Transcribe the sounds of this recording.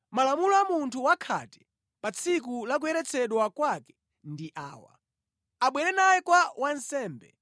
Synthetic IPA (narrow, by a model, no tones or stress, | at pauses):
malamulɔamuntʰuwakʰa̰ti̥ | pat͡sʰik̬ulak̬ujɛɾɛt͡sʰɛɗwakwakɛ̥ | ndiʔa̰ːwa̰ | aɓwɛɾɛnajɛkwawansɛːmbɛ̰